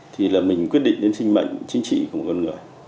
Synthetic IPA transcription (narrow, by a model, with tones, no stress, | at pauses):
t̪ʰi˨˩laː˨˩mï˨˩ŋ̟kwt̚ɗḭ˧˨ŋɗe˨˦nsï˧ŋma̰˧˨jŋ̟t͡ɕï˨˦ŋt͡ɕḭ˧˨kwm˨˩t̚kɔ˧ŋɨ˨˩əj